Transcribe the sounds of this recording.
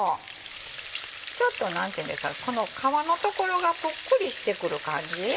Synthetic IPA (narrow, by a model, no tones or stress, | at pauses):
o | t͡ɕo̞t̪ːo̞nãnt̪iẽ̟ːnd̪e̞sɨ̥ka̰ko̞no̞kʰaβano̞t̪o̞ko̞ɾo̞ɡapɯkːɯ̟ɾʲiɕi̥t̪e̞kɯ̟ɾɯ̟kãɲ̟d͡ʑi